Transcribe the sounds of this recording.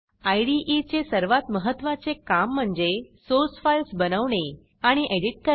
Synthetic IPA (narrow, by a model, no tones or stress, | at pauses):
ajɽiʔit͡ɕesəɾʋat̪məɦət̪ʋãt͡sekam̤ːəɳd͡zesoɾsfajlsbənəʋɳe | aɽ̃iʔeɽiʈ̚kə